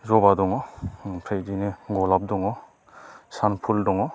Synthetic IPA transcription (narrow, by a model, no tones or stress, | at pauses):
zɔbadɔŋɔpʰɾejdineɡɔlap̚dɔŋɔ | sanpʰuldɔŋɔ